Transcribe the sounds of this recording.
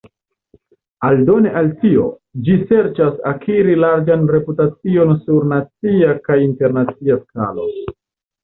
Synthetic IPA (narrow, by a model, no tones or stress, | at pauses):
aldo̞neʔaltio̞̰ | d͡ʒise̞ɾt͡ʃasakʰiɾilaɾd͡ʒanɾe̞putat͡sio̞nsuɾnat͡siakajinte̞ɾnat͡siaska̰lo̞̰